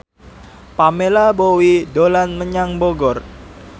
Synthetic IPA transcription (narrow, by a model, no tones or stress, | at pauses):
pamelabowidolanməɲaŋboɡɔr